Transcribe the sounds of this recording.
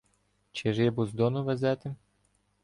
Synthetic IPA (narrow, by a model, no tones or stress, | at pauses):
t͡ʃɪʒɛbʊzd̪ɔnʊʋɛzɛt̪ɪ